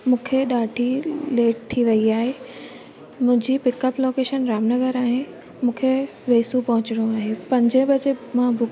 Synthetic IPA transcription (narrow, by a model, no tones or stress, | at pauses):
mũːkʰeɗaːʈʰileːʈ̚ʈ̪ʰiʋɐiaːɦeː | mʊ̃ɦɪ̃ɲd͡ʑipɪkəploːkeːʃənɾaːmnɐɡəɾaːɦen | mũːkʰe | ʋeːsũpɐ̃ɦʊ̃t͡ɕɪɽijõaːɦepɐ̃ɲd͡ʑə̃bɐd͡ʑemãbʊ